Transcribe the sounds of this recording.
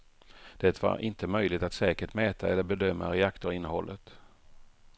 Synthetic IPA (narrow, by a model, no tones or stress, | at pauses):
d̪̥ɛt̪va̰ɾʔɪnt̪ʰəmœjlɪt̪at̪sɛːkəʈmɛːt̪ʰaɛlːəɾbɛd̪œmːa̰ɾɛakt̪ʊɾɪnːəhɔlːət̪